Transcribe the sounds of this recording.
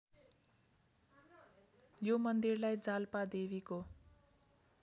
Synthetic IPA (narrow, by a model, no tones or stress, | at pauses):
jomʌnd̪irlajd͡zalpad̪eβiko